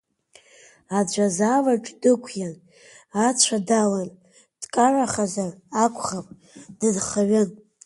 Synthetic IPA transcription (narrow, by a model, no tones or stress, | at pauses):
ad͡ʒʷazavaʈ͡ʂʼdɨkʷʰjan | at͡ɕʷʰadalan | d̥kʼaraχazarakʷʰʼχapʼ | d̥ɨdχaɥɪn